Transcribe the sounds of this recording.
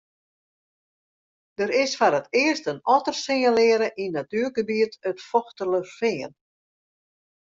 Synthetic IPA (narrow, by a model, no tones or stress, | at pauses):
d̥əɾɪsfaɾətɪərstənɔtərsɪŋəlɪəɾəʔinatyərɡəbiətətfɔxtələfɪən